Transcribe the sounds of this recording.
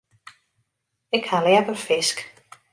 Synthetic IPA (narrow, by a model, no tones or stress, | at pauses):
ɪkhalɛɛpərfɪsk